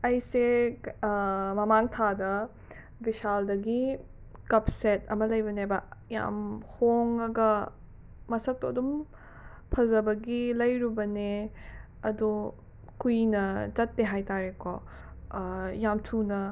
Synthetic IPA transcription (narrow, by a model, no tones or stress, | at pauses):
ɐjse | mɐmaŋtʰadɐ | bisaldɐɡi | kɐpsetɐmɐlɐjbɐnebɐja̰mhoŋɐɡɐ | mɐsɐk̚todum | pʰɐzɐbɐɡilɐjɾubɐne | ɐdu | kujnɐt͡ʃɐt̚ːeɦajtaɾekɔ | jamtʰunɐ